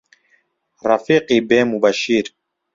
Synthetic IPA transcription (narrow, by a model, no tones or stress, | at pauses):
rafiːqibeːmubaʃiːɾ